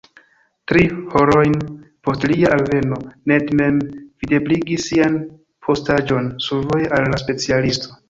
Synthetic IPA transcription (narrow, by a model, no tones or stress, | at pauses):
tɾiho̞ɾo̞jnpo̞stliaʔalve̞no̞ne̞dme̞mv̥ide̞bliɡisːian | pʰo̞stad͡ʒo̞nsuɾvojʔalːaspe̞t͡sialisto